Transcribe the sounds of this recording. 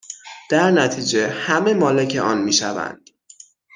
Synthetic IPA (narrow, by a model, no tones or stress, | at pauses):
d̪̥æɾnæt̪ʰiːd͡ʒe̞hæme̞mɒːle̞cʰe̞ʔɒːnmiːʃæ̰væ̰nd̪̥